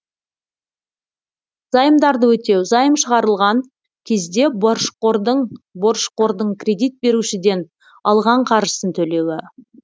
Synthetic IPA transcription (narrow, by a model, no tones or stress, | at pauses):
z̥ɑjəmd̪ɑɾd̪əwɵt̪e̞wzɑjəmʃəʁɑɾəlˠʁɑŋ | kʲʰe̞zd̪e̞bɾʃqod̪bo̞ɾʃqo̞ɾd̪əɴkʲʰrʲe̞d̪ijt̪̚be̞ɾuʃɪd̪e̞n | ɑlˠʁɑɴqʰɑɾʒəsənt̪ʰɵle̞wɪ